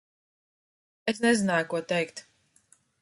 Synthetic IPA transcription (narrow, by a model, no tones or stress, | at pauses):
es̬nɛzinaːjukuɔt̪ɛjkt̪